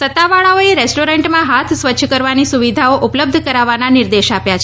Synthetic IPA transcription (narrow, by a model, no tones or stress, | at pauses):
sət̪ːaʋaɭaoeɾesʈoɾẽɳʈmãɦat̪ʰsʋət͡ʃʃʰəkəɾʋanisuʋid̪ʱaoʔʊpləb̚d̪ʱəkəɾaʋananɪɾd̪eʃapjat͡ʃʰ